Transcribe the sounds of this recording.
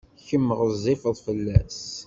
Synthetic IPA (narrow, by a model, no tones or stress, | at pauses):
çəmːəʁəzˤːifðˤfəlːæs